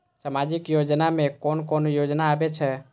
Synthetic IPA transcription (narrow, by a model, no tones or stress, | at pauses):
səmaːd͡ʒɪkjoːd͡ʒnamẽkoːnkoːnjoːd͡ʒnaːbet͡ʃʰɛ